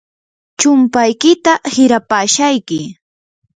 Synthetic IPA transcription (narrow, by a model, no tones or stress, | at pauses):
t͡ʃʊmpajkɪt̪ahɪɾapaːʃajkɪ